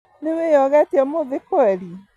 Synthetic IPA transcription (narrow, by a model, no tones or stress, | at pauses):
newejɔɣɛtiɛmoðekoɛɾi